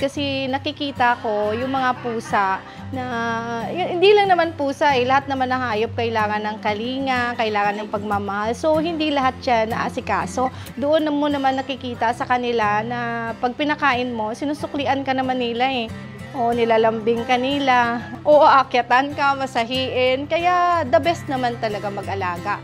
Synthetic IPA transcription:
kɐsɛnɐkɪkiːt̪ɐʔɐko̞jʊŋmɐŋapuːsaʔ | nɐjʊŋhɪnd̪ilɐŋnɐmanpuːsaʔɛlɐhat̪̚nɐmɐnːɐhaːjop̚kɐʔɪlaːŋɐnːɐŋkɐliːŋɐkɐʔɪlaːŋɐnːɐŋpɐɡ̚mamɐhalso̞hɪnd̪ilɐɦat̪̚ʃanɐʔa̰sɪka̰ːso̞ | d̪oʔonːɐmonɐmanːɐkɪkiːt̪ɐsɐkɐnɪlanɐpɐɡ̚pɪnɐkaːʔɪnmo̞sɪnusʊklɪʔɐnkɐnɐmanːɪlaʔɛ | ʔo̞nɪlaːlɐmbɪŋkɐnɪlaʔoʔʔɐkjɐt̪ankɐmɐsɐɦiːʔɪnkɐjaʔd̪ɐbɛsnɐmant̪ɐlɐɡamɐɡʔɐlaːɡa

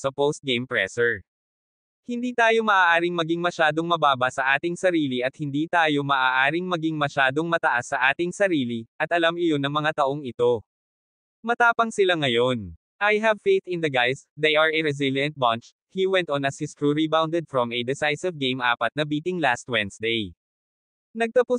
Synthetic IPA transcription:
sɐpost̪̚ɡejmpɹɛ̰sɛɹ | hɪnd̪iːt̪aːjo̞mɐʔaːʔaːɾɪŋmɐɡiŋmɐʃaːd̪o̞ŋmɐbaːbɐsɐʔaːt̪ɪŋsɐɾiːliʔɐt̪̚hɪnd̪iːt̪aːjo̞mɐʔaːʔaːɾɪŋmɐɡiŋmɐʃaːd̪oŋmɐt̪ɐʔasːɐʔaːt̪ɪŋsɐɾiːliʔɐt̪ʔɐlamɪjo̞nɐŋmɐŋat̪ɐʔo̞ŋɪt̪o̞ | mɐt̪aːpɐŋsɪlaŋɐjo̞n | ʔɐjɦɐvfejt̪ɪ̃nd̪ɐɡajsd̪ejɐɹɛɹɛz̬ɪljɐ̃nt̪̚bɐnt͡ʃ | hiwɛ̃nt̪ɔnɐshɪskɹuɹibawnd̪ɛd̪̚fɹɔmɛd̪ɛsajsɪvɡẽjmʔa̰ːpɐt̪̚nɐbiːt̪ɪŋlast̪̚wɛ̃nsd̪ej | nɐɡ̚t̪ɐpʊ

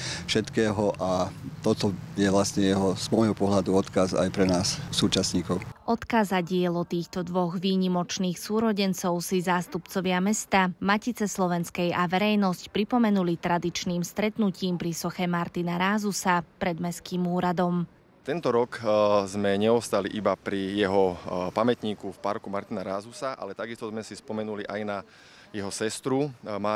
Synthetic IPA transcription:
fʃɛt̪kɛːɦɔʔat̪ɔt̪ɔjɛʋlast̪ɲɛjɛɦɔz̥mɔjɦɔpɔɦlad̪uɔt̪kaza̰jpɾɛnaːssuːt͡ʃasɲiːkɔʊʔɔt̪kazaɟɪɛlɔt̪iːxt̪ɔd̪ʋɔɣʋiːɲimɔt͡ʃniːxsuːɾɔɟɛnt͡sɔʊsizaːst̪upt͡sɔʋɪamɛst̪amacit͡sɛslɔʋɛnskɛjaʋɛɾɛjnɔscpɾipɔmɛnulit̪ɾad̪it͡ʃniːmst̪ɾɛt̪nuciːmpɾisɔxɛmaɾt̪inaɾaːzusapɾɛd̪mɛskiːmuːɾad̪ɔm | t̪ɛnt̪ɔɾɔkzmɛɲɛɔst̪aliʔibapɾijɛɦɔpamɛt̪ɲiːkufpaɾkumaɾt̪inaɾaːzusaʔa̰lɛt̪aɡist̪ɔzmɛsispɔmɛnuliʔajna | jɛɦɔsɛst̪ɾuma

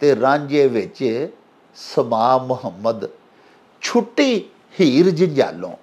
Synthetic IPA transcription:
t̪eɾãːɲd͡ʒeːʋɪt͡ʃ | səmaːmʊɦəmːəd̪ | t͡ʃʰʊʈi | hiːɾd͡ʒɪnd͡ʒa̰ːlõ̰ː

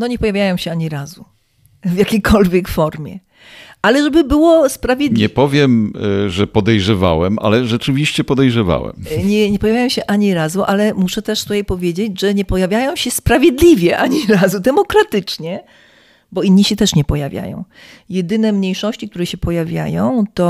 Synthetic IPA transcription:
nɔɲɛpɔjavʲjajɔ̃w̃ɕɛaɲiɾazu | vjakʲejkʰɔlvʲjɛkfɔɾmʲjɛ̰ | ʔalɛʐɛbɘbɘwɔspɾavʲjed̪ɲɲɛpɔvʲjɛmʐɛpɔd̪ɛjʐɛva̰wɛmʔa̰lɛʐɛt͡ʂɘvʲiɕt͡ɕɛpɔd̪ɛjʐɛva̰wɛ̰mɲɛɲɛpɔjavʲajɔ̃w̃ɕɛʔaɲiɾazuʔalɛmuʂɛt̪ɛʂt̪ut̪ajpɔvʲjed͡ʑed͡ʑʐɛɲɛpɔjavʲjajɔ̃w̃ɕɛspɾavʲjed̪lʲivʲjɛʔaɲiɾazud̪ɛmɔkɾat̪ɘt͡ʂɲɛ | bɔinːiɕɛt̪ɛʂɲɛpɔjavʲja̰jɔ̰̃w̃ | jɛd̪ɘnɛmɲejʂɔɕt͡ɕik̚t̪uɾɛɕɛpɔjavʲja̰jɔ̃w̃t̪ɔ

